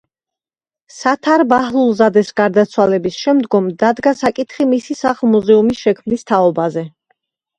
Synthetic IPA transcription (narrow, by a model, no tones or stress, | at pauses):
sat̪ʰaɾbahlˠulˠzad̪ɛsɡaɾd̪at̪sʰwalɛbisʃɛmd̪ɡɔmd̪ad̪ɡasakʼit̪ʰχimisisaχlˠmuzɛumisʃɛkʰmnist̪ʰaɔbazɛ